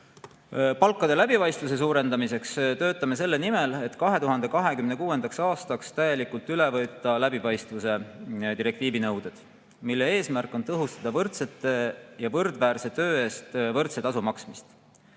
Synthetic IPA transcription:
pɑlkːˑɑd̪̥e̞læb̥ipɑjst̪vus̬e̞s̬uːɾe̞nd̪ɑmise̞kst̪ø̞ːt̪ːˑɑme̞s̬e̞lːe̞nimele̞t̪ːkɑɦe̞t̪uɦɑnd̪̥e̞kɑɦe̞kymne̞kuːe̞nd̪̥ɑksɑːst̪ɑkst̪æje̞likult̪ˑylevɤt̪ːˑɑlæbipɑjst̪vuse̞t̪iɾe̞k̚t̪iːvinɤwd̪̥ed̪̥ | milːe̞e̞ːsmærkːˑo̞nt̪ɤɦust̪ɑd̪̥ɑvɤrt̪se̞t̪ːˑe̞jɑvɤrd̪̥væːɾse̞t̪ø̞ːe̞ːst̪vɤrt̪se̞t̪ɑs̬umɑksmist̪

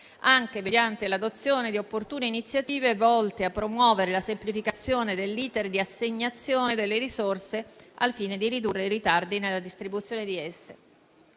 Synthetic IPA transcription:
aŋk̟emed̪jant̪elad̪ot̪sːjoːned̪iopːort̪uːneinit̪sːjat̪iːvevɔlt̪eapːɾomwɔːveɾelasemplifikat̪sːjoːned̪elːiːt̪erd̪iasːeɲːat̪sːjoːned̪elːeɾisorsealfiːned̪iɾid̪urːeiɾit̪ard̪inelːad̪ist̪ɾibut̪sːjoːned̪iɛsːe

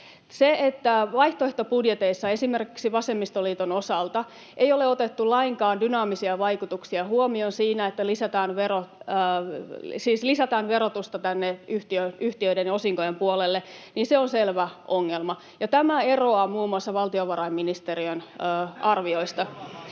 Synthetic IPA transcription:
seet̪ːæʋɑiht̪oeht̪opudjet̪eisːɑesimerkiksiʋɑsemːist̪oliːt̪onosɑlt̪ɑ | ʔejoleot̪et̪ːulɑiŋkɑːndynɑːmisiɑʋɑikut̪uksiɑhuomionsiːnæet̪ːælisæt̪ɑːnʋero | siːslisæt̪ɑːnʋeɾot̪ust̪ɑt̪ænːeyht̪iønyht̪iøidenosiŋkojempuolelːeniːnseonselʋæʔoŋːelmɑ | jɑt̪æmæero̞ɑmuːmuɑsːɑʋɑlt̪ioʋɑrɑimːinist̪eriønːɑrʋio̞ist̪ɑ

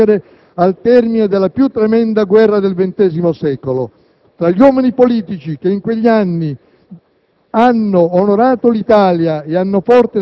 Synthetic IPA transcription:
ɾe | alt̪ɛrmined̪elːapjut̪ːɾemɛnd̪aɡwɛrːad̪elvent̪ɛːzimosɛːkolo̰ | t̪ɾaʎːiwɔːminipoliːt̪it͡ʃikeiŋkweʎːianːi | anːoːnoɾaːt̪olit̪aːljaeanːofɔrt̪e

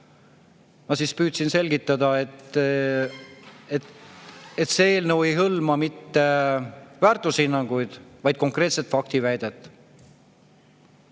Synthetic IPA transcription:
mɑsiːspyːt̪sinse̞lɡit̪ˑːɑd̪ɑet̪ː | e | et̪seeːlnəwejɦɤlmɑmit̪ːe̞væːrt̪ːˑushinːɑŋɡ̥ujd̪̥vɑjd̪̥̚ko̞ŋkre̞ːt̪se̞t̪fɑk̚t̪ivæjd̪̥et̪ːˑ

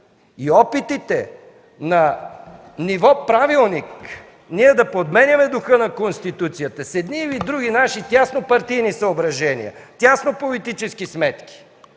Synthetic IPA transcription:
iɔpit̪it̪ɛ | nɐ | nivɔpɾavilˠnik | niɛd̪ɐpod̪mɛnʲɐmɛd̪ʊxənɐkonst̪it̪ut̪sijət̪əsɛd̪nivid̪ɾuɡ̟inaʃit̪ʲasnopɐɾt̪ijnisɐobɾɐʒɛnḭjɐ̰t̪ʲasnopolit̪it͡ʃɛskismɛt̪ki̥

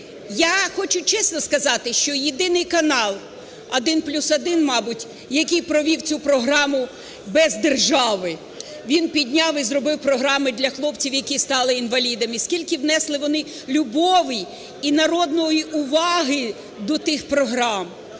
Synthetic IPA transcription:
jaxɔt͡ʃʊt͡ʃɛsnɔskɐzɑt̪ɪʃt͡ʃɔjid̪ɪnɪjkɐnɑlˠ | ɐd̪ɪnplʲusɐd̪ɪnmɑbʊtʲ | jɐkʲijpɾɔʋʲiwt͡sʲupɾɔɦɾɑmʊ | bɛzd̪erʒɑʋɪ | ʋʲinpʲid̪ʲnʲɑwizrɔbɪwpɾɔɦɾɑmɪd̪lʲɐxlˠɔpt͡sʲiwjɐkʲist̪ɑlˠɪinʋɐlʲid̪ɐmiskʲilʲkɪwnɛslˠɪʋɔnɪ | lʲʊbɔʋɪj | inɐɾɔd̪nɔjiʊʋɑɦɪ | d̪ɔt̪ɪxpɾɔɦɾɑm

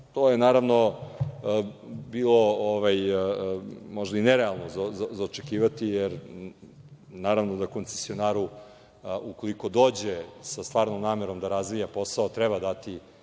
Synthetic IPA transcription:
t̪ojenaːɾaʋno̞ | biːlo̞oʋaj | mo̞ʒd̪aineɾealˠnozazzaot͡ʃekiːʋat̪ijeɾ | naːɾaʋnod̪ako̞nt̪sesijonaːɾu | uko̞liko̞d̪oːd͡ʑesast̪ʋaːɾnomnaːmeɾo̞md̪aɾazʋijapo̞saot̪ɾɛbad̪at̪i

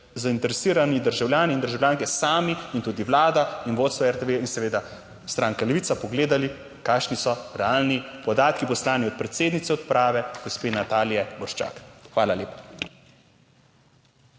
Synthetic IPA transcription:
zaint̪ɛɾɛsiːɾanid̪əɾʒawljaːniːnd̪əɾʒawlʲjaːŋkɛsaːmiint̪ud̪iwlaːd̪ainʋoːt̪st̪ʋaɛɾt̪eʋeinsɛʋeːd̪a | st̪ɾaːŋkalɛʋiːtsapɔɡleːd̪ali | kaːʃnisɔɾɛaːlnipɔd̪aːt̪kipɔslaːniɔt̪̚pɾɛt̪seːd̪nit̪sɛɔt̪pɾaːʋɛɡ̥ospeːnat̪aːlijɛbɔɾʃt͡ʃa̰ːkxʋaːlaleːpḁ

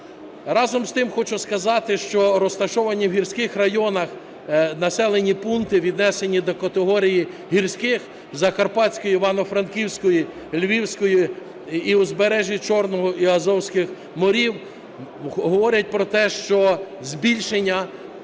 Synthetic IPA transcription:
rɑzɔmst̪ɪmxɔt͡ʃʊskɐzɑt̪ɪʃt͡ʃɔɾɔst̪ɐʃɔʋɐnʲːiwɦʲirsʲkɪxrɐjɔnɐx | nɐsɛlˠenʲipunt̪ɪʋʲid̪nɛsenʲːid̪ɔkɐt̪eɦɔɾʲiji | ɦirsʲkɪx | zɐkɐrpɑsʲkɔjʊiʋɑnɔfɾɐnkʲiwsʲkɔji | lʲʋʲiwsʲkɔjʊ | iuzbeɾɛʒʲit͡ʃɔrnɔɦɔʔiɐzɔwsʲkɪx | mɔɾʲiw | ɦɔʋɔɾʲɐt̚ʲpɾɔt̪ɛʃt͡ʃɔzbʲilʲʃenʲːɐ

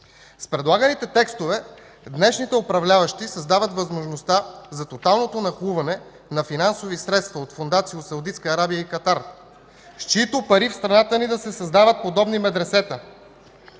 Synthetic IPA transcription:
spɾɛd̪lˠaɡənit̪ɛt̪ɛkst̪ovɛ | d̪nɛʃnit̪ɛopɾɐvlʲavəʃt̪isɐzd̪avət̪vɐzmoʒnost̪azɐt̪ot̪alˠnot̪onɐxuvɐnɛ | nɐfinansovisɾɛt̪st̪vɐot̪fond̪at̪sijosɐwd̪it̪skəːɾabijəikɐt̪aɾ | st͡ʃit̪opɐɾifst̪ɾɐnat̪ənid̪ɐsɛsɐzd̪avət̪̚pod̪ɔbnimɛd̪ɾɛsɛt̪ə

